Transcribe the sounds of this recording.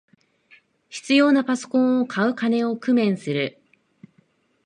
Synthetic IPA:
çi̥t͡sɨjo̞ːnapaso̞̥kõ̞ɰ̃okʰaɯ̟kane̞o̞kɯ̟mẽ̞ɰ̃sɨɾɯ̟

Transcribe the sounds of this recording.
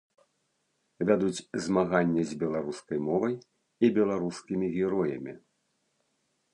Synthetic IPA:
vʲad̪ut͡sʲzmaɣanʲːɛzʲbʲɛlˠaɾuskɐjmɔvɐj | ibʲɛlˠaɾuskʲimʲiɣʲɛɾɔjɐ̰mʲḭ

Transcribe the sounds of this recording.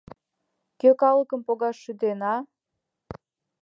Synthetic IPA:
køkɑləkəmpoɣɑʃːyd̪enɑ

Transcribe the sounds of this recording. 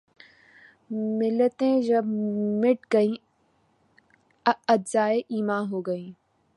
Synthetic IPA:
mɪlət̪ẽʒɐmɪʈɡɐĩ | ɐdzaːeʔiːmãːɦoːɡɐĩː

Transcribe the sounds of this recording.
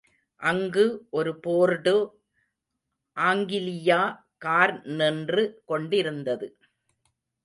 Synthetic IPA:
ʔɐŋɡɯʔɔɾɯpoːɾɽɯ | ʔaːŋɡɪlɪjaː | kaːɾnɛndrɯkɔɳɖɪɾɯnd̪ɐðɯ

